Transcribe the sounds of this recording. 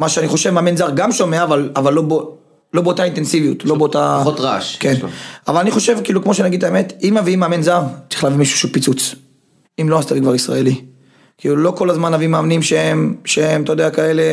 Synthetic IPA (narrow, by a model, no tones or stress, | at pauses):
maʃeaniχo̞ʃevmaːmenzaʁɡamʃo̞meaːvalavalːobo | lo̞beotaint̪e̞nsivijutlobeot̪aotʁa̰ʃkenavalaniχo̞ʃe̞vkiːlukmo̞ʃenaɡid̪̚taeme̞timaviimaːmenzaʁt͡si̥χlavimiʃu̥ʃupit͡sut͡s | imloast̪alikvaʁisʁa̰eli | kiːlulo̞ko̞lazmanavimaːmnimʃeemʃeemt̪aojd̪eakaele̞